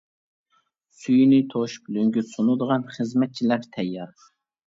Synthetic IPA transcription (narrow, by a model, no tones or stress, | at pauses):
syjnɪt̪ʰoʃblyŋɡʲysonud̪əʁɑnχəzmɛt̪̚t͡ʃʰilæɾt̪ʰɛjːɑɾ